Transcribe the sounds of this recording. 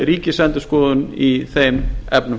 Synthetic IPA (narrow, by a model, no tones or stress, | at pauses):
ɾiːcɪsɛnt̪ʏ̥skɔːðʏniθejmɛpnʏ